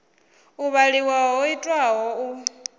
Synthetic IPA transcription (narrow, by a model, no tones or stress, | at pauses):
uβaliwaɦɔitʼwaɦɔu